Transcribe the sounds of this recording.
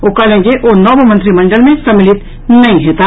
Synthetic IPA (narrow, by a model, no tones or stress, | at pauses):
oːkalẽːd͡ʒeʔonɔːbmə̃nt̪ɾimɐ̃ɳɖəlmẽsɐmɪlɪt̪ | nɐɦĩɦeːt̪aː